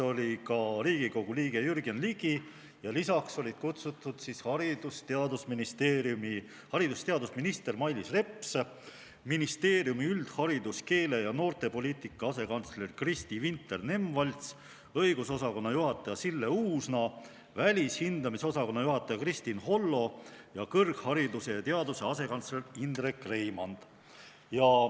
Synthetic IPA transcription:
o̞lʲikɑɾiːɡ̥iɡo̞ɡ̥uliːɡ̥e̞jyrɡ̥enliːɡ̥i | jɑlisɑkso̞lʲid̪̥kut̪sut̪ːˑud̪̥sishɑɾid̪ust̪eɑd̪usminist̪eːɾjumi | hɑɾid̪ust̪e̞ɑd̪usminist̪e̞rmɑjlisre̞pˑs | minist̪e̞ːrjumiyld̪̥hɑɾid̪̥uske̞ːle̞jɑno̞ːrt̪e̞po̞liːt̪ˑikːˑɑɑse̞kɑnt̪sle̞rkrist̪ivint̪ːˑe̞rne̞mvɑlʲt̪s | ɤjɡ̥uso̞sɑko̞nːɑjuɦɑt̪ːˑɑjɑsilːe̞uːsnɑ | vælʲishind̪ɑmiso̞sɑko̞nːɑjuɦɑt̪ːˑɑjɑkrist̪inɦo̞lːo̞jɑkɤrɡ̥hɑɾid̪use̞t̪e̞ɑd̪use̞ɑse̞kɑnt̪sle̞rind̪̥rekːre̞jmɑnd̪̥ | jɑ

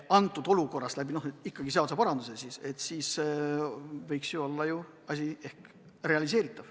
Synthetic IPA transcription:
ɑnt̪ːˑud̪o̞luko̞rːɑst̪læbino̞hikːɑɡ̥iseɑsɑpɑɾɑnd̪̥use̞sise̞t̪ːsiːs | vɤjksjuo̞lːɑju | ɑsʲie̞hk | re̞ɑlis̬e̞ːɾit̪ˑːɑv̥

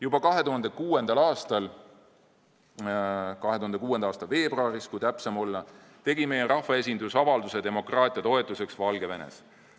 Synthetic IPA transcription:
jubɑkɑɦe̞t̪uɦɑnd̪̥ekuːe̞nd̪ɑlɑːst̪ɑl | kɑɦe̞t̪uhɑnd̪kuːe̞nd̪ɑɑːst̪ɑlve̞ːbroɑːɾiskujt̪æpsemo̞lːɑ | t̪e̞ɡimejeɾʔɑhvɑe̞s̬ʲind̪usɑvɑld̪used̪e̞mo̞krɑːt̪ˑijɑt̪o̞e̞t̪ːˑuse̞ksvɑlɡ̥e̞ve̞nḛs

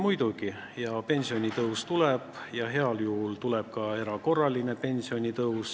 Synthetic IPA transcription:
mujd̪̥uɡi | jɑpe̞nʲsio̞nʲit̪ɤwst̪uleb̥jɑɦe̞ɑljuhult̪ulɛ̞b̥̚kɑe̞ɾɑko̞rːɑline̞pe̞nʲsio̞nʲit̪ɤws

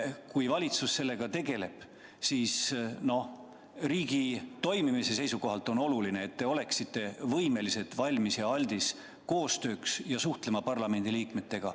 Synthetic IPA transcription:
kujvɑlʲit̪susːe̞lːe̞ɡɑt̪e̞ɡe̞le̞̰b̥ | siːsno̞ | riːɡ̥it̪o̞jmimise̞se̞jsuko̞ɦɑlt̪ːˑo̞no̞luline̞ːt̪ːe̞o̞le̞ksit̪ːˑe̞vɤjme̞lise̞t̪vɑlʲmisjɑɑlʲd̪̥is | ko̞ːst̪ø̞ːksjɑsuht̪le̞mɑpɑrlɑme̞nd̪̥iliːkme̞t̪ːe̞ɡ̥ɑ̰

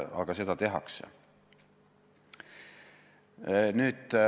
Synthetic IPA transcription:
ɑ̰ɡ̥ɑse̞d̪ɑt̪e̞ɦɑ̰ksḛ | nyːd̪

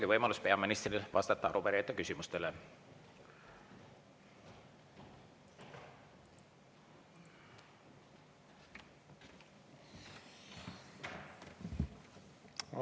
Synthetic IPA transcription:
ɡ̥ivɤjmɑluspe̞ɑminist̪rilvɑ̰st̪ɑt̪ːɑɑ̰ɾuveɾiɑt̪ːˑɑkysimust̪ele

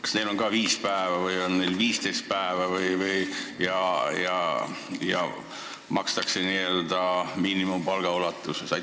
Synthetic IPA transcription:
kɑ̥sne̞jlo̞nɡ̥ɑːviːspæevɑvɯjo̞nnejlviːst̪e̞jst̪̚pæevɑvɯjvɯjjɑjɑ̰jɑ̰ | mɑkst̪ɑkseniːøld̪̥ɑmiːnimumpɑlɡ̥ɑolɑt̪ːˑussɑ

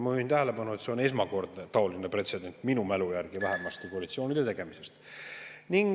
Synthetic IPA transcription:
myint̪æɦele̞pɑnuet̪se̞o̞ne̞s̬mɑko̞rd̪̥net̪ɑo̞linepre̞t̪se̞d̪e̞nʲt̪ːˑminumælujærɡ̥ivæɦemɑst̪ekoɑlit̪sio̞ːnʲid̪̥e̞t̪e̞ɡ̥e̞mise̞st̪niŋ

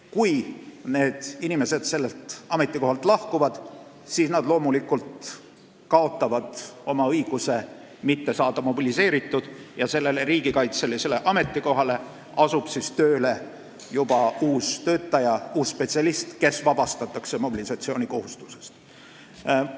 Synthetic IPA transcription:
kujne̞ːd̪̥inime̞se̞d̪̥se̞lːe̞lt̪ɑme̞t̪ːˑiko̞hɑlt̪ˑlɑhkuvɑd̪̥ | siːsnɑd̪̥lo̞ːmulikːult̪ | kɑo̞t̪ːˑɑvɑd̪̥o̞mɑɤjɡ̥use̞ | mit̪ːe̞sɑːd̪̥ɑmo̞bilise̞ːɾit̪ːˑud̪̥jɑse̞lːe̞le̞ɾiːɡ̥ikɑjt̪se̞lese̞le̞ʔɑme̞t̪ˑːiko̞ɦɑle̞ | ɑsub̥sist̪ø̞ːle̞ | jub̥ɑuːst̪ø̞ːt̪ːɑjɑuːsːpet̪siɑlist̪ke̞svɑb̥ɑst̪ɑt̪ːˑɑkse̞mo̞bilisɑt̪sio̞ːnʲiko̞hust̪u̥se̞̥st̪

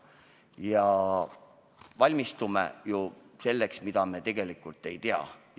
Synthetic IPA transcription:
jɑ | vɑlʲmist̪umḛju | se̞lːe̞ksmid̪̥ɑme̞t̪e̞ɡ̥e̞likːˑult̪ːˑe̞jt̪eɑ̰

